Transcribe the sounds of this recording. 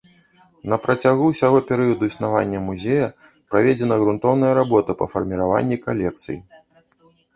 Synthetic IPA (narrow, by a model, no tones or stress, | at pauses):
nɐpɾɐt͡sʲaɣuwsʲaɣɔpʲɛɾɨjɐd̪uisn̪ava̰nʲːɐmuzʲejɐ | pɾavʲed͡zʲɛnɐɣɾunt̪ɔwnɐjɐɾabɔt̪ɐpɐ̰fɐrmʲiɾava̰nʲːikalʲɛk̚t̪sɨ̰ji